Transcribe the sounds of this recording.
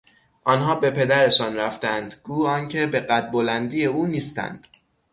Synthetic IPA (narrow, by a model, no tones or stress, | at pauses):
ʔɒːnɦɒːbe̞pʰe̞d̪æɾe̞ʃɒːnɾæft̪ænd̪ɡ̥uːɒːncʰe̞be̞ɢæt̪̚bolænd̪iːjeuːniːst̪æ̰nd̪̥